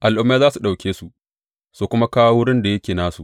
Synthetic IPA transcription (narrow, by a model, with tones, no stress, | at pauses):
ʔa˨lʔʊ˦mːaː˦zaː˦su˨ɗa˨wkʲeː˦su˨ʔ | suː˨kʷʊ˦ma˦kaː˦wa˦wʊ˦ɽɪ˦nda˨jɐ˦kʲeː˨naː˦sṵ˨ʔ